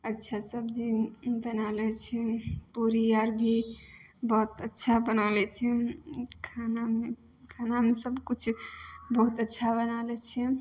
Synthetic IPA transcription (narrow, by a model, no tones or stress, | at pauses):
ətːʃʰasəbd͡ʒibənalɛt͡ʃʰɛpuɾiaɾbʱi | bɔɦt̪ətːʃʰabənalɛt͡ʃʰɛkʰaname | kʰanamesəbkut͡ʃʰbəɦut̪ətːʃʰabənalɛt͡ʃʰɛ